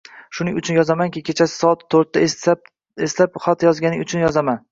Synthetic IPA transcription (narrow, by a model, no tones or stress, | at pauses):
ʃʊnɪŋʊt͡ʃʰʊnjɒzamankʲɪkʲʰe̞t͡ʃʰasɪ̥sɒat̪ʰːoɾt̪ːa | eslapχat̪jɒzɡʲanɪŋʊt͡ʃʰʊnjɒzaman